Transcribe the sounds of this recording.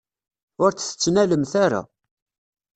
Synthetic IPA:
ʊɾt͡sθə̥t͡sːnæləmθaɾa̰

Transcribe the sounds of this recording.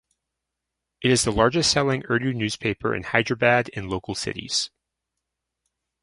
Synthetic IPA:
ʔɨɾɨzðəlɑɹd͡ʒɨstsɛlˠɪ̃ŋɜ˞ɾʉnʉz̥pʰeɪpʰə̰˞ʔɨ̰̃nhaɪdɹəbæɾɨ̃nloʊkl̩ˠsɪ̰ɾḭz̥

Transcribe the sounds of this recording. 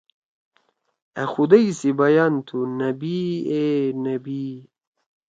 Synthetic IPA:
ɐ̰xud̪ɐisibɐjant̪ʰunɐbienɐbi

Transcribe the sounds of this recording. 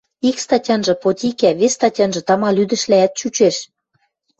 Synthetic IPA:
ikst̪ɑtʲɑnʒɤ̆pot̪ʲikæβesʲst̪ɑtʲɑnʒɤ̆t̪ɑmɑlyd̪ə̆ʃlææt̪̚t͡ɕut͡ɕeʃ

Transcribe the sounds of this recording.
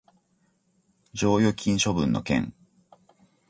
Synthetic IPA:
d͡ʑo̞ːjo̞kʲʰĩɰ̃ɕo̞bɯ̟̃nːo̞̰kẽ̞̰ŋ

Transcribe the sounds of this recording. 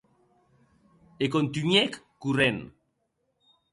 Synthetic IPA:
ekont̪yɲɛkːurɛn

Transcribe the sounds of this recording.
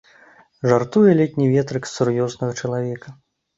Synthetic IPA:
ʐart̪ujɛlʲɛt̪ʲnʲivʲɛt̪ɾɨksurjɔznɐɣɐt͡ʂɐlˠavʲɛkɐ

